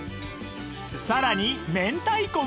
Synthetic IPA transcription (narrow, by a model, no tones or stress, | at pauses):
saɾaɲ̟imẽ̞nt̪aiko